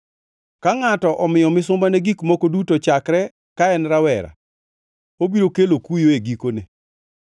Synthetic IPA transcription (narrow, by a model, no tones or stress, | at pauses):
kaŋatɔʔɔmɪjɔmɪsʊmbaneɡikmokodutot͡ʃakɾɛ | kaɛnɾawɛɾa̰ | obiɾokelokujoeɡikone